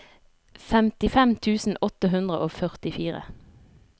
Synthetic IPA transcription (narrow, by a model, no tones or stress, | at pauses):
fɛmt̪ɪfɛmt̪ʰʉːsn̩ɔt̪əɦʉnd̪ʁəʔoːfœʁt̪ɪfiːʁə̰